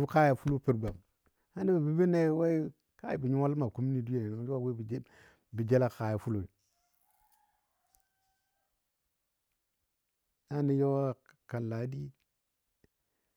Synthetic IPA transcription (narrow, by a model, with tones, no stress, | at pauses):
bu˦ka˦ja˨fu˦lu˦pi˦ɾɡa˨m | ha˦ni˦bi˨bi˦bi˦ne˦wa˦i˦ | ka˦ji˨bi˨ɲu˦a˦lma˨ku˦mi˦ni˦du˦je˨ni˨n˨˦ja˦˨we˦bd͡ʒ | bi˨d͡ʒe˦la˦ka˨ja˨fu˦lo˨ | a˦ni˦jo˦wa˦˨ka˨n˨la˨˦di˦